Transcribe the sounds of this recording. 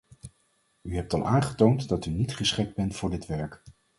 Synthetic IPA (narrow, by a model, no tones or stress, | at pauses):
yɦɛp̚tɑlˠaːnχətowntdɑtynitχəsχɪk̚d̚bɛntfʊːɹdɪtʋɛɹk